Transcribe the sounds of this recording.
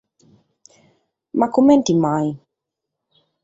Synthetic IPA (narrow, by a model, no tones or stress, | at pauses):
makumɛ̃ntimaj